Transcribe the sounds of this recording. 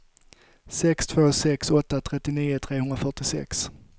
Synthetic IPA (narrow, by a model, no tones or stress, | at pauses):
sɛkst̪ʰvoːsɛksɔt̪ːat̪ʰɾɛt̪ːɪniːʊt̪ʰɾeːɦɵnɾafœʈɪsɛ̰ks